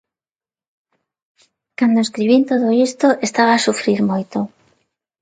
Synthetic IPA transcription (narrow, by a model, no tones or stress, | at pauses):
kand̪oeskɾiβint̪oðoist̪oʔest̪aβaːsufɾiɾmojt̪o